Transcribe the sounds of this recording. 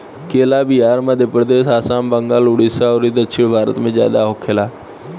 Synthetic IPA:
keːlabiaːɾməd̪ʱjəpɾəd̪eːʃaːsãːmbəŋɡaːlʊɽisaɔːɾid̪əkʃʰɪɽ̃bʱaːɾə̰t̪mẽzja̰ːd̪aɦokʰeːlaː

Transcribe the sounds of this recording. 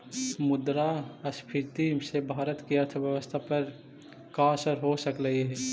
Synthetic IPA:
mʊd̪ɾaəspʰɪɾt̪imsebʱaːɾət̪kiəɾt̪ʰəbjəʋəst̪ʰapəɾ | kaːsəɾɦosəkləɦiɦɛː

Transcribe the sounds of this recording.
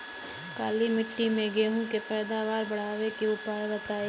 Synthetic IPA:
kaːlimɪʈːimẽɡeːɦũːkepɛːd̪aːʋaːɾbɐɽ̤aːʋekeʊpaːɾbət̪aːe

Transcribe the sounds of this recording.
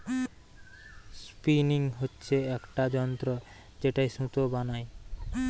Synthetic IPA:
spiniŋɦotːɕʰeɛkʈad͡ʑɔnt̪ɾo | d͡ʑeʈajsũt̪obanaj

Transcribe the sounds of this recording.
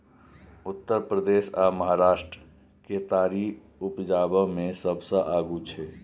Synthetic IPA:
ʊt̪ːəɾpɾəd̪eːsaːməɦaɾaːʃʈɾə | ket̪aːɾi | ʊpd͡ʒaːbəmẽsəbsə̃ʔaːɡut͡ʃʰɛː

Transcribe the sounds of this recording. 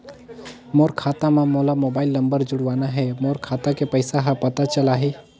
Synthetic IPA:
moːɾkʰaːt̪amãmoːlamoːbaːɪlːɐ̃mbəɾd͡ʒʊɽʋaːnaɦɛmoːɾkʰaːt̪akepəɪsaɦãpɐt̪at͡ʃəlaːɦe

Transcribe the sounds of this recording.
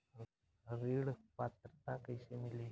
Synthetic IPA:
ɾiɽpat̪ɾt̪akəjsemile

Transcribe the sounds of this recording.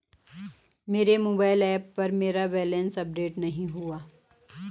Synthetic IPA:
meːɾemoːbaːɪlɛːpːɐɾmeːɾaʋɛːlənsɐp̚ɖeːʈnɐɦĩɦuaː

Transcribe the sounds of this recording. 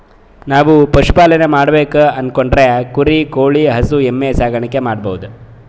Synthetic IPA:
naːʋupɐʂu̥paːlɐnemaːɽbeːkuɐnkoɳɖɾekuɾikoːɭiɦɐsuemːeːsaːɡɐɳikːe̞maːɽbɐwud̪u

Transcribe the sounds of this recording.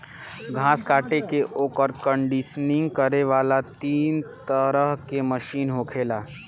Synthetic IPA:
ɡʱãːskaːʈekeʔoːkəɾkə̃ɳɖɪʃnɪ̃ŋɡkəɾeʋaːlat̪iːnt̪əɾəɦkeməʃiːnɦokʰeːlaː

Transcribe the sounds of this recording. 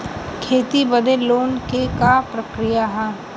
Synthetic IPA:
kʰeːt̪ibəd̪eloːnkekapɾəkɾijaɦɛː

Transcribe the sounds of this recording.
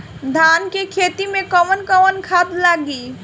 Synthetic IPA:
d̪ʱaːnkekʰeːt̪imẽkɔmənkɔmənkʰaːt̪laːɡiː

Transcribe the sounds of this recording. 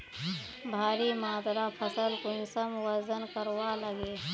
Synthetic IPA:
bʱaːɾimaːd̪ɾapʰəsəlkʊnsəmwəɾzənkəɾwaləɡeː

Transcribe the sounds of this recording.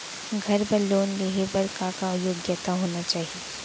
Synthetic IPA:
ɡʱɐɾbɐloːnleɦebɐɾkakaʊjoːɡjət̪aɦoːnat͡ʃaːɦie

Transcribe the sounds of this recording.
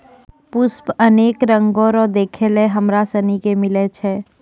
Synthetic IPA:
pʊspəneːkɾə̃ŋɡoːɾɔːd̪eːkʰeleɦəmɾasənikemɪlet͡ʃʰɛː

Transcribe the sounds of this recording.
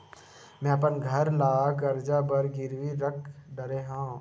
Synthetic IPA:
mɛ̃ːɐpənɡʱɐɾlaːɡɐɾd͡ʒabɐɾɡɪɾʋiɾɐkʰɖɐɾeɦã

